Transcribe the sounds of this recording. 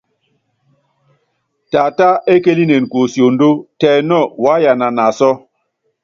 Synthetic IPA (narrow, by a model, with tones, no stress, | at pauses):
ta˨ta˦e˦ke˦li˦ne˨n˨ko˨sjo˨n˦do˦tɛ˨nɔ˦˨wa˨˦ja˨na˨na˨sɔ˦